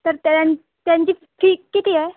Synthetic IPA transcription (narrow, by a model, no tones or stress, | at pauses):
t̪əɾt̪ãɲ | t̪jãɲt͡ɕiː | ʈʰiːkːit̪iːɦɛ